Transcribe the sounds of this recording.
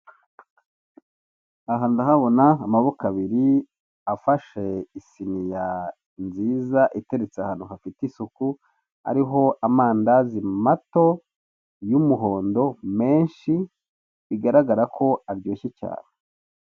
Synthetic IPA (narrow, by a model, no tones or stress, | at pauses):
aɦaːndaɦaβo̞naːmaβokaβiɾi | afaʃe̞isinija | nziːzaʔite̞ɾet͡seahaːn̥uɦafitisuku | a̰ɾiɦo̞ʔamaːndazimato̞ | jumuɦo̞ːndo̞me̞ːnʃi | βiɡaɾaɡaɾakʰo̞aɾɟoːçeca̰ːne